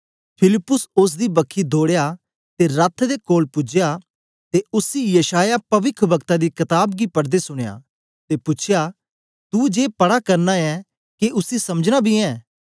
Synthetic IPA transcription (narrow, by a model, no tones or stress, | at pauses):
pʰɪlɪpːʊsʊs̬d̪ibɐkʰːid̪ʱoːɽeja | t̪eɾət̪ʰd̪ekoːlpʊd͡ʒja | t̪eʊsijɐʃaːjapɐʋɪkʰbɐkt̪ad̪ikɐt̪aːbɡipɐɽd̪esʊɽ̃eja̰ː | t̪epʊt͡ʃʰja | t̪ud͡ʒeːpɐɽakɐɾnaɛ̃ | keʔʊsisɐməd͡ʒnabʱiɛ̃ː